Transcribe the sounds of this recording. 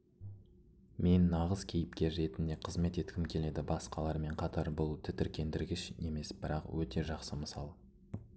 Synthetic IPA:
me̞nːɑʁəzkʲʰe̞jɪp̚kʲe̞ʒe̞t̪ɪnd̪e̞qʰəzme̞t̪e̞t̪kʲɪmkʲʰe̞le̞d̪ɪbɑsqɑlˠɑɾme̞ɴqʰɑt̪ɑɾbʊlˠt̪ʰɪt̪ɪɾkʲʰe̞nd̪ɪɾɡʲɪʃe̞me̞sb̥ɪɾɑqwɵt̪e̞ʒɑqsəməsɑ̰lˠ

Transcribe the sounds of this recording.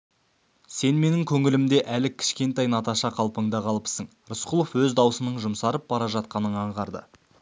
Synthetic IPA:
se̞nme̞nɪŋkʲʰɵŋɪlɪmd̪e̞ʔælɪkʲʰɪ̥ʃkʲe̞nt̪ɑjnɑt̪ɑʃɑqʰɑlˠpəɴd̪ɑqʰɑlˠəpsəɴ | ɾʊsqʰʊlˠofwɵzd̪ɑwəsənəɴʒʊmsɑɾəp̚bɑɾɑʒɑt̪̚qɑnəɴɑɴʁɑɾd̪ə̰

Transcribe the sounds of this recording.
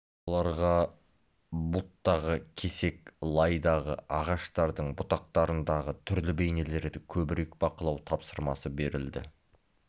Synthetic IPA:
olˠɑɾʁɑ | bʊlˠt̪ːɑʁəkʲʰe̞se̞klˠɑjd̪ɑʁəɑʁɑʃt̪ɑɾd̪əɴbʊt̪ɑq̚t̪ɑɾənd̪ɑʁət̪ʰʏɾlɪbe̞jne̞le̞ɾd̪ɪkʲʰɵbɪɾe̞kbɑqəlˠɑwt̪ʰɑpsəɾmɑsəbe̞ɾɪld̪ɪ̰

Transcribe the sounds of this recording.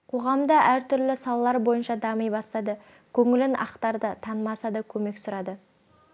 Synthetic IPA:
qʰo̞ʁɑmd̪ɑʔæɾt̪ʰʏɾlɪsɑlˠɑlˠɑɾbo̞jənʃɑd̪ɑməjbɑst̪ɑd̪ə | kʲʰɵŋɪlɪnʔɑ̰qt̪ɑɾd̪ət̪ʰɑnəmɑsɑd̪əkʲʰɵme̞ksʊɾɑd̪ə

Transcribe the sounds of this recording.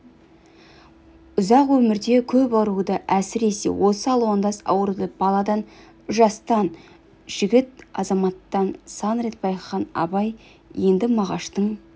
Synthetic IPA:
ʊzɑqwɵmɪɾd̪e̞kʲʰɵpɑɾud̪əʔæsɪɾe̞se̞̰wʔo̞səɑlˠwond̪ɑsɑ̰wəɾud̪əb̥ɑlˠɑd̪ɑn | ʏʒɑst̪ɑn | ʒ̥ɪɡʲɪt̪̚ɑzɑmɑt̪ːɑnsɑnɾet̪̚bɑjχɑnɑ̰bɑj | je̞nd̪ɪmɑʁɑʃt̪əɴ

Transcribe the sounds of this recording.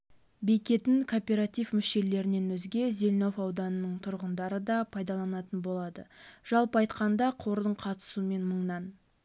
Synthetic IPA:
be̞jkʲe̞t̪ɪŋkʰo̞pʲeɾat̪ifmʏʃe̞le̞ɾɪne̞nwɵzɡʲe̞ze̞lʲno̞fɑwd̪ɑnənəɴt̪ʰʊɾʁənd̪ɑɾəd̪ɑpʰɑjd̪ɑlˠɑnɑt̪ənbo̞lˠɑd̪ə̰ʒ̥ɑlˠpəɑjt̪qɑnd̪ɑqʰo̞ɾd̪əɴqʰɑt̪ə̥suəme̞nməɴnɑn

